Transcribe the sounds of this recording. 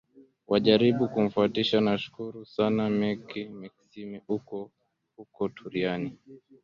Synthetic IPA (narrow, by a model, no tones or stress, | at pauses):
wʔaʄaɾiɓukum̩fuatiʃanaʃu̥kuɾusanamɛkimiksimiukɔ | hukɔtʰuɾiani